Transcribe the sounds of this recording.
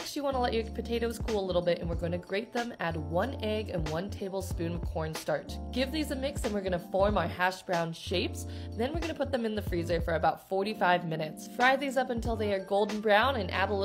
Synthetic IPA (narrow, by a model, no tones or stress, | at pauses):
kt͡ʃl̩ˠiwɑ̃ñəlɛt͡ʃə˞pʰɨtʰeɪɾoʊz̥kʰulˠəlɪɾl̩ˠbɪɾɨ̃nwɨɹɡõɪ̃nɨɡɹeɪt̪̚ðə̃mæd̚wʌ̃nɛɡɨ̰̃nwʌ̃ntʰeɪbl̩ˠspʉ̃nʌv̥kʰɔɹnstɑɹt̚ɡ̥ɪvðizɨmɪksɨ̃nwɨɹɡʌnɨfɔɹmaʊə˞hæʃb̥ɹãʊ̃nʃeɪpsðɨ̃nwɨɹɡʌnəpʰʊt̪̚ðɨ̃mɨ̃nðɨfɹizə˞fə˞ɨbaʊtfɔɹɾifaɪvmɪ̃ñɨtsfɹaɪðizʌpɨ̃ntʰɪlˠðeɪə˞ɡoʊlˠdⁿn̩bɹãʊ̃nɨ̃nʔæ̰ɾl̩ˠ